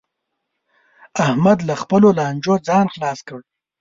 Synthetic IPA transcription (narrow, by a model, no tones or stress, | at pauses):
ahmad̪laxpəlolɑːnd͡ʒod͡zɑnxlɑːskəɽ